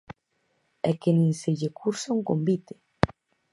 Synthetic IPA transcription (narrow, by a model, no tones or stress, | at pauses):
ɛkenĩŋseʎekʰuɾsoŋkombit̪e̥